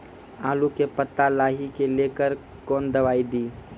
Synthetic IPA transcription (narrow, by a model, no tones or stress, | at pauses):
aːlukepət̪ːalaːɦikeleːkəɾ | koːnd̪ɐʋaːid̪iː